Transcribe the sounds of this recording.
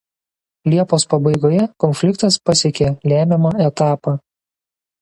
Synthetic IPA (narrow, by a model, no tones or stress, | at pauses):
lʲiɛpoːspɐbɐɪɡoːjɛkɔnʲfʲlʲɪkt̪ɐspɐsʲɛkʲelʲæːmʲɛmɑːɛt̪ɑːpɑː